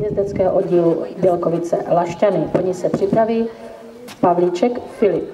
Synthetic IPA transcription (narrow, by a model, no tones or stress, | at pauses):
jɛzd̪ɛt͡skɛːɦoʔodɟiːlubjɛlkovɪt͡sɛ̰laʃcanɪpoɲɪsɛpr̝̥ɪpɾaviː | pavliːt͡ʃɛkfɪlɪp